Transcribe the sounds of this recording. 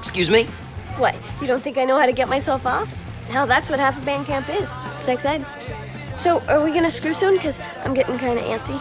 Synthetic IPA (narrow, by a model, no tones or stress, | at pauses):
kskjʉzmi | wɛ | jɨɾõʊ̃nθɪ̃ŋkaɪnoʊhaʊɾɨɡɛt̚maɪsɛlˠfɔf | ɦaʊðætswʌt̚hæfəbæ̃nkʰæ̃mpɪz̥sɛksɛd̚ | soʊʔə˞wiɡʌñɨskɹʉsõnkʰʌz | ã̰ɪ̃mɡɛɾɪ̰̃ŋkʰãɪ̃ndɨ̰ʔæ̰̃nsi